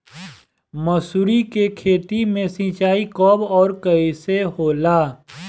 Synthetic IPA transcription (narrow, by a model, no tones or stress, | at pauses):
məsuɾikekʰeːt̪imẽsĩːt͡ʃaːikɔːbɔːɾkəiseɦoːlaː